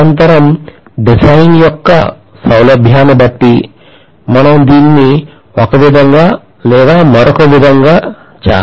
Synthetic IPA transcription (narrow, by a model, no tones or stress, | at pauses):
ɐnt̪ɐɾɐmɖisajnjɔkːɐ̰ | sɐwlɐbʱjaːnɐbɐʈ̪ːi | mɐnad̪iːnːi | ʋakɐʋid̪ɐŋɡa | leːɡ̪aːmɔɾʔɔkɐʋid̪ʱɐŋɡa | t͡ʃa̰ː